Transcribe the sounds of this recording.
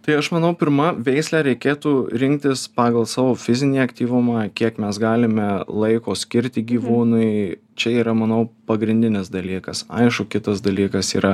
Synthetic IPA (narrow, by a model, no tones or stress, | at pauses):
t̪ɐɪɐʃmɐnɐʊpʲɪɾmɐʋʲɛɪsʲlʲæːɾʲɛɪkʲeːt̪uːɾʲɪŋʲk̚t̪ʲɪspɑːɡɐlˠsɑːʋoːfʲɪzʲɪnʲiːɐkt̪ʲiːʋʊmɑkʲiɛkmʲɛsɡɑːlʲɪmʲɛlˠɐɪkoːsʲkʲɪɾʲt̪ʲɪɡʲiːʋuːnʊɪ | t͡ʃʲɛiːɾɐmɐnɐʊpɐɡɾʲɪnʲd̪ʲɪnʲɪsd̪ɐlʲiːkɐsɐ̰ɪʃkʊkʲɪt̪ɐs̬d̪ɐlʲiːkɐsḭːɾɐ